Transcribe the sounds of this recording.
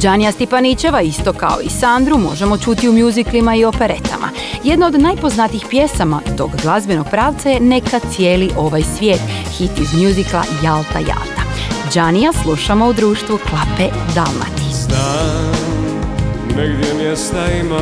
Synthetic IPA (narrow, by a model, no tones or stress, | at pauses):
d͡ʒanijast̪ipanit͡ʃe̞ʋaist̪o̞ka̰o̞̰isand̪ɾumo̞̰ʒe̞mo̞t͡ʃut̪iumjuziklimaio̞pe̞ɾe̞t̪ʰa̰mʔa̰ | je̞d̪nao̞d̪najpo̞znat̪ixpje̞samad̪o̞ɡɡlˠazbeno̞ɡ̚pɾaːʋt̪saje̞ne̞kat̪sje̞ːliʔo̞ʋajsʋje̞ːt̪xit̪izmjuziklˠa̰jalt̪a̰ja̰lt̪ḁ | d͡ʒanijaslˠuʃamo̞ud̪ɾuːʃt̪ʋuklˠape | d̪alˠma̰t̪i̥na | neɡd̪jemjest̪aim